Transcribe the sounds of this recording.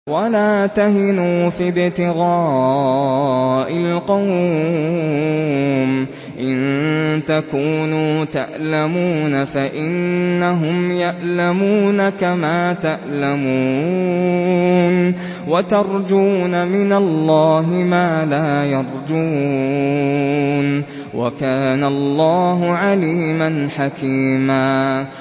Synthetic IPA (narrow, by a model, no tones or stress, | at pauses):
walaːt̪ahɪnuːfibɪt̪ɪɣɑː | ʔɪlqɑw | n | ʔɪnt̪akuːnuːt̪aʔlamuːnafaʔɪnːaɦʊmjaʔlamuːnakamaːt̪aʔlamuː | n | wat̪ɑɾˤd͡ʒuːnamɪnalːɑːɦɪmaːlaːjɑɾˤd͡ʒuː | n | wa̰kaːnalˤːɑːɦʊʕaliːmanħakiːmaː